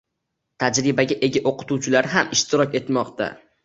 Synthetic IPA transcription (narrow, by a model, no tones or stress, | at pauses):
t̪ʰad͡ʒɾɪbaɡʲaʔe̞ɡʲaʔoqɨ̥t̪ʰuwt͡ʃʰɪlaɾɦamɪʃt̪ʰɪɾɒkʲe̞t̪mɒqt̪ʰa̰